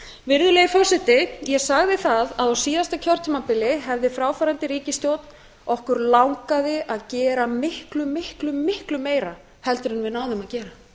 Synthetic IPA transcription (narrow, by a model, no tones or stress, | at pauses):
vɪɾðʏleːjɪfɔ̥sɛt̪ɪjɛsaɣðɪθaðaðawsiːðast̪acʰɔr̥t̪ʏmapɪlɪɦɛvðɪfɾaːwfaːɾant̪ɪɾiːcɪst̪jowt̪n̥ | ɔhkʏɾlawŋkaðɪʔaðcɛːɾamɪhklʏmɪhklʏmɪhklʏmeːjɾa | hɛlt̪ʏɾɪnvɪðnaːwðɪmaðcɛːɾa